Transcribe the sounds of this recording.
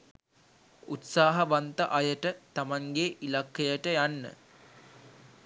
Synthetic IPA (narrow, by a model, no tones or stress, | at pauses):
ut̪saːɦɐʋant̪əʔajəʈət̪amaŋɡeʔilakːejəʈəjanːə̰